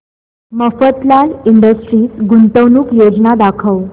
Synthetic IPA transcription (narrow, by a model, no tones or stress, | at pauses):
məfət̪laliɳɖəsʈɾiːsɡunt̪əwnuːkjod͡znad̪akʰəʋ